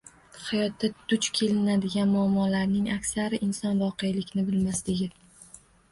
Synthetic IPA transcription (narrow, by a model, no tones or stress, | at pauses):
hajɒt̪ʰːad̪̥ʊt͡ʃkʲʰe̞lɪnad̪ɪɡʲanmʊamːɒlaɾnɪŋakʲsaɾɪʔɪnsɒnvɒqʰe̞jlɪkʲnɪbɪlmaslɪɡʲɪ